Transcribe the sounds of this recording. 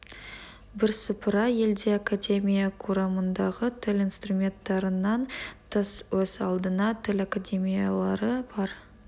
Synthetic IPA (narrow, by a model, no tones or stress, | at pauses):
bɪɾsəpɾɑje̞ld̪e̞akad̪ʲe̞mʲijakʰuɾɑmənd̪ɑʁət̪ʰɪlʲijnst̪rumʲe̞nt̪ːɑɾənɑnt̪ʰəswɵzɑlˠd̪ənɑt̪ʰɪlakad̪ʲe̞mʲijalˠɑɾəbɑɾ